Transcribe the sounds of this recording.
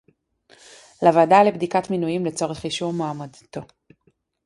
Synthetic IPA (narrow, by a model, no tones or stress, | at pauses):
lavadalebdikatminujimlet͡so̞ʁeχiʃuʁmaːmad̪t̪o̞